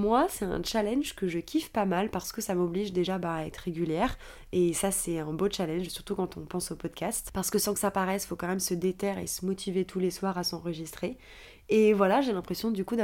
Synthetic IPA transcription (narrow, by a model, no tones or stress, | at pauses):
mwasɛt̪ɛ̰̃t͡ʃalɛnʒkəʒəkʲifpamalpaʁsə̥kəsamɔbliʒd̪eʒabaːɛt̪χʁeɡʲyljɛʁ | esasɛɛ̃bot͡ʃalɛ̃nʒsyʁt̪ukɑ̃t̪ɔ̃pɑ̃sopɔd̪kʲast̪paʁsə̥kəsɑ̃kəsapaʁɛsfokɑ̃mɛmsəd̪et̪ɛʁḛsəmɔt̪ʰivet̪ʰuleswaʁasɑ̃ʁəʒist̪χe | evwalaʒelɛ̃pχesjɔ̃d̪ykud̪a